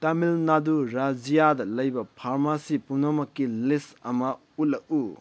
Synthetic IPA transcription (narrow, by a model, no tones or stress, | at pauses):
tamilnaduɾad͡ʒijadɐlɐjbɐpʰaɾmasipunɐmɐkːilisɐmɐ | ut̚lɐk̚u